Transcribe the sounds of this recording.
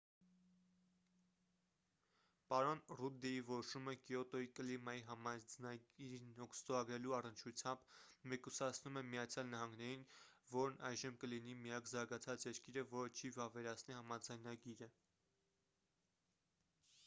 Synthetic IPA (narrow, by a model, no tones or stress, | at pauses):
pɑɾɔnrud̪ɛivɔɾɔʃuməkijɔt̪ɔikəlimɑjiɦɑmɑd͡znɑɡiɾinɔkʰst̪ɔɾɑɡɾɛluɑrənt͡ʃʰut͡sʰjɑmbmɛkusɑt͡sʰnumɛmijɑt͡sʰjɑlnɑɦɑŋɡnɛɾinvɔɾnɑjʒəmkəlinimijɑkzɑɾɡɑt͡sʰɑt͡sjɛɾkiɾəvɔɾət͡ʃʰivɑvɛɾɑt͡sʰnihɑmɑd͡zɑjnɑɡiɾə